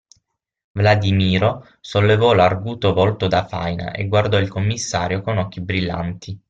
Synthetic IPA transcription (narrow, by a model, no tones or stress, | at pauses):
vlad̪imiːɾo | solːevɔlarɡuːt̪ovɔlt̪od̪afa̰jna̰ʔḛɡward̪ɔilkomːisːaːɾjokonɔkːibɾilːa̰nt̪ʰi